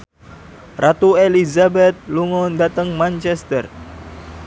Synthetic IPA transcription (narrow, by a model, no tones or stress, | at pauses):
rʔat̪uelizabɛt̪̚luŋʊndat̪əŋmant͡ʃɛst̪ər